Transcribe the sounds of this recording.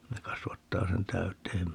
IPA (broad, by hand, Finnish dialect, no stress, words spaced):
ne kɑsʋɑtːɑː sen tæytˑeːm